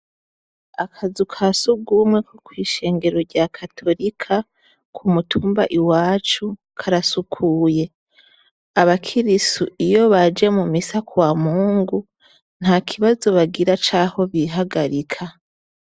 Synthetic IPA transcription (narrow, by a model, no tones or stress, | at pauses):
akʰazukʰasuɡumŋwe̞kʰokwiːʃe̞ːŋɡe̞ɾo̞ɾɟakʰatʰo̞ɾikʰa | kʰumutʰuːmba̰ʔiwaːt͡ʃu | kʰaɾasukʰuːje̞ | aβakʰiɾisuijo̞βad͡ʒe̞mumisakʰuwamuːŋɡu | n̥hakʰiβazo̞βaɡiɾat͡ʃaho̞βiɦaɡaɾikʰa